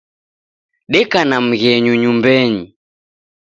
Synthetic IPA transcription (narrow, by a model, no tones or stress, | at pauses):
ɗɛkanam̩ɣɛɲuɲumbɛɲi